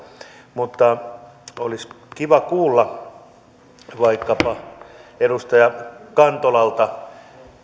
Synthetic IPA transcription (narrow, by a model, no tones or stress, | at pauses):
mut̪ːɑ | olis | kiʋɑkuːlːɑ | ʋɑikːɑpɑerust̪ɑjɑkɑnt̪olɑlt̪ɑ